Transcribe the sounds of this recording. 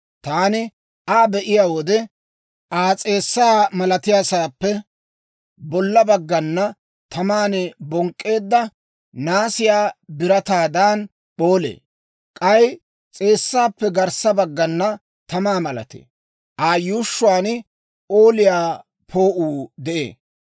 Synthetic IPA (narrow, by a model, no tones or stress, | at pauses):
t̪aːnɪ | ʔaːbɛʔɪjaːwɔd̪ɛ | ʔaːt͡sʼe̞ːsːaːmɐlɐt̪ɪjaːsaːpːɛ | bɔlːɐbɐɡːɐnːɐ | t̪ɐmaːnɪbɔŋkʼːe̞ːd̪ːɐ | naːsɪjaːbɪɾɐt̪aːd̪aːn | boːlḛː | kʼɐj | t͡sʼe̞ːsːaːpːɛɡɐɾsːɐbɐɡːɐnːɐ | t̪ɐmaːmɐlɐ̰t̪ḛː | ʔaːjuːʃːʊwaːn | oːlɪjaː | pʰoːʔuːd̪ɛʔḛː